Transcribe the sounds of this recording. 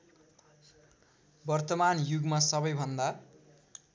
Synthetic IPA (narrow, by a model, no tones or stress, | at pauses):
bʌrt̪ʌmanjuɡmasʌbʌjbʱʌnd̪a